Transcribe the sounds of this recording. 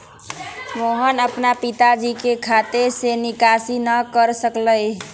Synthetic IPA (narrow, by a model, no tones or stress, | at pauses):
moɦənəpnapit̪ad͡ʒikekʰat̪esenikasinəkəɾsəkləj